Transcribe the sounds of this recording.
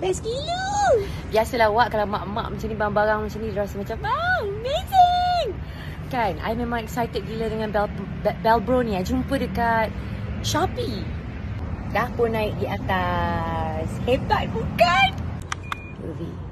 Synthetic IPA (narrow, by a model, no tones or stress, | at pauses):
bɛskilu | biasəlahwaʔkalamã̰ʔma̰ʔmãt͡ʃanibaɾaŋbaɾaŋmat͡ʃanĩdɾasəmat͡ʃamoəmezɪŋ | kanʔa̰jmẽmãŋɛksajt̪ət̚ɡilədəŋãnbɛl | bɛlbɾɔniad͡ʒumpədəkat̪̚ʃapi | dahpʊnːãɪk̚diat̪a | shebat̪̚bukan | ə̰vḭ